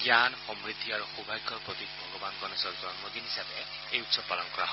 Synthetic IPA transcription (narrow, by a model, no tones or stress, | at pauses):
ɡjanxɔmɹid̪ʱiaɹuxubʱajɡʰʱɔɹpɹɔt̪ikbʱɔɡɔbankɔnɔsɔɹzɔnmɔd̪inɦisabɛ | ejutsɔb̚pːalɔnkɔɹa̰ɦɔ